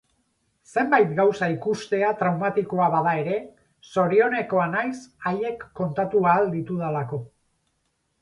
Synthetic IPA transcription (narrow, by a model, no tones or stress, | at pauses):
se̞mbajt̪ɡawsaikust̪e̞at̪ɾawmat̪iko̞aβað̞ae̞ɾe̞ | so̞ɾio̞ne̞ko̞anajsaje̞kːo̞nt̪at̪uaːld̪it̪uð̞alako̞